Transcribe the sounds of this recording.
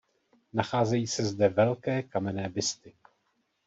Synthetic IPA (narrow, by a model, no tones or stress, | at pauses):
naxaːzɛjiːsɛzdɛvɛlkɛːkamɛnɛːbɪst̪ɪ